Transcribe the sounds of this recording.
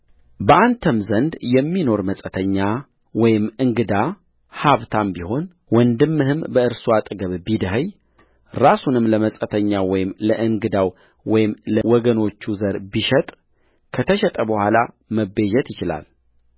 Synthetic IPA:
bəʔant̪ʰəmzənd̪jɛmːino̞ɾməsʼət̪ʰəɲːa | wɔjɪmɨŋɡɨd̪a | haβt̪ʰambiho̞n | wɔnd̪ɨmːɨhɨmbəɨɾsuat̪ʼɡəβbid̪əɦəj | ɾasunɨmləməsʼət̪ʰəɲːawɔjɪmləʔɨŋɡɨd̪aw | wɔjɪmləwɔɡəno̞t͡ʃːuzəɾbiʃɛt̪ʼ | kʰət̪ʰəʃɛt̪ʼəbəhʷala | məbːed͡ʒɛt̪jɪt͡ʃɪla̰l

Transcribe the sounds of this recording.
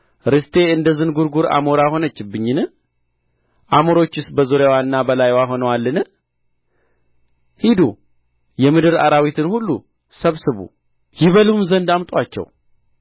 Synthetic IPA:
ɾɨst̪ʰe̞ɨnd̪əzɨnɡuɾɡuɾa̰moɾaho̞nət͡ʃːɪbːɨɲːɨnɨ | ʔamoɾo̞t͡ʃːɪsbəzoɾjawanːabəlajwaɦo̞nəwalːɨnɨ | hid̪u | jɛmɨd̪ɨɾa̰ɾawit̪ʰɨnhulːṵ | səβsɨβṵ | jɪβəluɨmzənd̪amt̪ʼwat͡ʃːɛ̰w

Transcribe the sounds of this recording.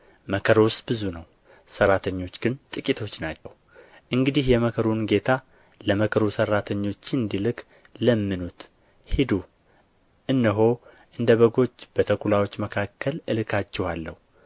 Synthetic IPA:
məkʰəɾwʊst̪bɨzunəw | sərːat̪ʰəɲːo̞t͡ʃːɡɨnt̪ʼɨkʼit̪ʰo̞t͡ʃːnat͡ʃːəw | ʔɨŋɡɨd̪ihjɛməkʰəɾunɡe̞t̪ʰa | ləməkʰəɾusərːat̪ʰəɲːo̞t͡ʃːɨnd̪ilɨkʰ | ləmːɨnut̪ | hid̪u | ʔɨnːɨɦo̞ | ʔɨnd̪əβəɡo̞t͡ʃːb̥ət̪ʰəkulawo̞t͡ʃːməkʰakːəlɨlɨkʰat͡ʃːɛhalːəhu

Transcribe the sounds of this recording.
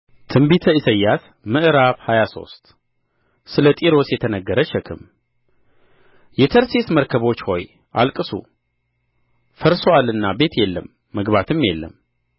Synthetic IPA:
t̪ʰɨmbit̪ʰəisəjːat̪ | mɨʔɨɾaβhajaso̞̰st̪ʼ | sɨlət̪ʼiɾo̞sjɛt̪ʰənəɡːəɾəʃɛkʰɨ̰m | jɛt̪ʰəɾsesməɾkʰəβo̞t͡ʃːho̞̰j | ʔalkʼɨsṵ | fəɾsoalɨnːabe̞t̪jɛlːə̰mːəɡbat̪ʰɨmjɛlːə̰m

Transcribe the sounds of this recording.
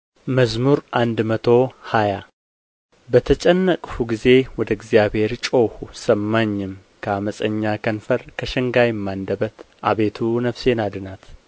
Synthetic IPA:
məzmuɾʔand̪mət̪ʰo̞haja | bət̪ʰət͡ʃʼɛnːəkʼfuɡize̞wɔd̪əɪɡzjaβhe̞ɾt͡ʃʼowhusəmːaɲːɪm | kʰəaməsʼəɲːakʰənfəɾkʰəʃɨŋɡajɛmːand̪əbət̪ʔaβe̞t̪ʰunəfse̞nad̪ɨnat̪

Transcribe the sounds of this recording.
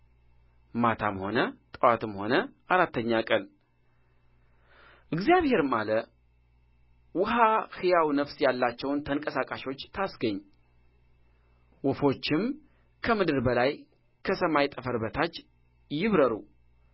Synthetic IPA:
mat̪ʰa̰mho̞nət̪ʼəwat̪ɨmho̞nəʔaɾat̪ːəɲːakʼəl | ʔɨɡzjaβhe̞ɾɨmalə | wʊɦahɨjawnəfsjalːat͡ʃːɛwnt̪ʰəŋkʼəsakʼaʃo̞t͡ʃːt̪ʰasɡəɲː | wɔfo̞t͡ʃːɪm | kʰəmɨd̪ɨɾbəlaj | kʰəsəmajt̪ʼəfəɾbət̪ʰat͡ʃː | jɪβɾəɾu

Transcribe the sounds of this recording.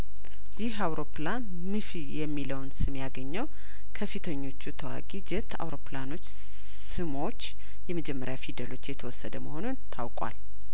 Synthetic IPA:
jɪhawɾo̞plan | mɨfijɛmːiləwnsɨmjaɡəɲːəw | kʰəfit̪ʰəɲːo̞t͡ʃːut̪ʰəwa̰ɡʼid͡ʒɪt̪ʰa̰wɾo̞plano̞t͡ʃː | sɨmo̞t͡ʃː | jɛməd͡ʒɛmːəɾjafid̪əlo̞t͡ʃːjɛt̪ʰəwɔsːəd̪əməho̞nunt̪ʰawkʼwa̰l

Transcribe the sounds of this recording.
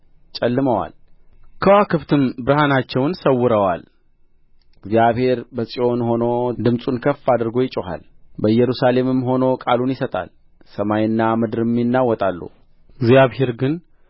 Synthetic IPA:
t͡ʃʼɛlːɨməwa̰lkʰəwakʰɨft̪ʰɨmbɨɾhanat͡ʃːɛwnsəwːɨɾəwa̰l | ɪɡzijaβhe̞ɾbəsʼio̞nho̞no̞d̪ɨmsʼunkʰəfːad̪ɾɡo̞jɪt͡ʃʼoha̰lbəjɛɾusale̞mɨmːɦo̞no̞kʼalunjɪsət̪ʼa̰l | səmajɨnːamɨd̪ɨɾɨmːinːawːɔt̪ʼalːṵ | ɡzijaβhe̞ɾɡɨn

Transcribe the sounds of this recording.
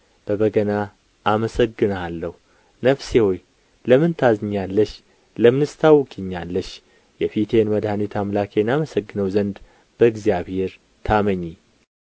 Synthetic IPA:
b̥əβəɡəna | ʔːməsəɡːɨnalːəhu | nəfsehoj | ləmɨnt̪ʰazɨɲːalːəʃ | ləmɨnɨst̪ʰawːkʰiɲːalːəʃ | jɛfit̪ʰe̞nməd̪hanit̪ʰamlakʰenaməsəɡːɨnəwzənd̪ | b̥əɨɡzjaβhe̞ɾ | t̪ʰaməɲːi

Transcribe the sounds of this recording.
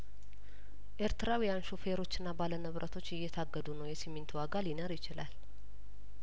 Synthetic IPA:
ʔeɾt̪ɨɾawijanʃufeɾo̞t͡ʃːɪnːabalənɨβɾʔət̪ʰo̞t͡ʃːɪjːɛt̪ʰaɡːəd̪unəwjɛsiment̪ʰwaɡalinəɾjɪt͡ʃɪla̰l

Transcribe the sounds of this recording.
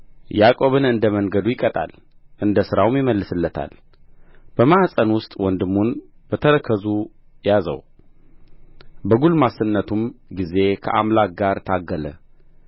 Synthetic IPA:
jakʼo̞βɨnɨnd̪əməŋɡəd̪ujɪkʼət̪ʼa̰l | ʔɨnd̪əsɨɾawmjɪməlːɨsɨlːət̪ʰa̰l | b̥əmahsʼənwʊst̪ʼwɔnd̪ɨmːunb̥ət̪ʰəɾəkʰəzu | jazə̰w | bəɡulmasənːət̪ʰumɡize̞kʰə̰ʔamlak̚ɡaɾt̪ʰaɡːələ̰

